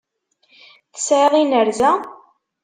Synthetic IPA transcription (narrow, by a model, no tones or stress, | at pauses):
θə̥sʕeðinəɾzæ